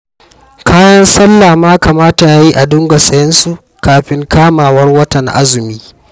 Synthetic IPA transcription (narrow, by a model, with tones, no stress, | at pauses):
kʰaː˦jɐ˦nsɐ˦lːaː˨maː˦ka˨maː˦ta˨ʔa˨˦ji˦ʔa˨dʊ˦ŋɡa˨sʼɐ˨jɐ˦nsu˨ | kaː˨ɸɪ˦ŋkaː˦maː˨wɐ˦rwɐ˦tɐ˨ŋʔa̰˦zʊ˨miː˦